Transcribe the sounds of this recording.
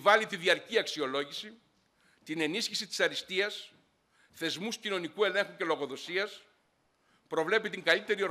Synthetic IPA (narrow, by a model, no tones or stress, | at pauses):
vɐlit̪iðiɐɾciɐksio̞lo̞ʝisi | t̪ine̞nisçisit̪i̥sɐɾist̪iɐs | θe̞zmuscino̞nikue̞le̞ŋxuce̞lo̞ɣo̞ðo̞siɐs | pɾo̞vle̞pit̪iŋɡɐlit̪e̞ɾio̞ɾ